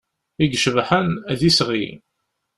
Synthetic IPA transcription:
iɡʃvħənæðisʁḭ

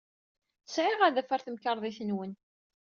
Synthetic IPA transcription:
θəsʕɪʁæðæfæɾθəmkɑɾˤðˤiθənwən

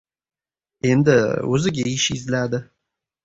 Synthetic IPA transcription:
e̞nd̪ɪɵzɪɡʲaɪʃɪzlad̪ɪ

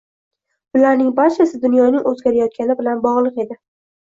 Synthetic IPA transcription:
bʊlaɾnɪŋbaɾt͡ʃʰasɪd̪ʊnjɒnɪŋʔɵzɡʲaɾajɒt̪̚kʲanɪbɪlanbɒʁlˠɨqe̞d̪ɪ

